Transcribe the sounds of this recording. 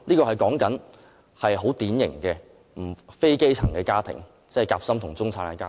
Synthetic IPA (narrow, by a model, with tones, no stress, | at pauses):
liː˥kɔː˧hɐ˨jkɔː˨˥ŋkɐ˨˥n | hɐ˨jɦo˨˥wt̪iː˨˥njɪ˨˩ŋkɛː˧ | m̩˨˩fe˥jke˥jt͡sʰɐ˨˩ŋkɛː˧kaː˥t̪ʰɪ̰˨˩ŋ | t͡sɛː˥˩jkaː˧p̚sɐ˥mt̪ʰʊ˨˩ŋt͡sʊ˥ŋt͡sʰaː˨˥na˧kaː˥